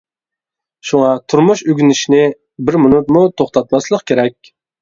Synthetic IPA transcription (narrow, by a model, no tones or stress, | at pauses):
ʃuŋɑt̪ʰuɾmuʃyɡʲynɪʃinɪ | bɪɾmʊnut̪mut̪ʰoχt̪ʰɑt̪̚mɑslˠəqkʲʰeɾɛkʲ